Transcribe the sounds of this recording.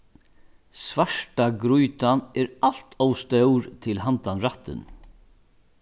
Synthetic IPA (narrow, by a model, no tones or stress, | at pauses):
svaʂʈaɡɾujt̪anɛɾal̥t̪ʰowst̪œwɾt̪ʰɪlɦant̪anɾaht̪ːɪ̰n